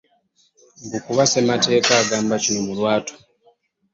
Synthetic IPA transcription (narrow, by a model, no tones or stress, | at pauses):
mbukuβasemate̞ːkaːɡaːmbacinomulwaːto̥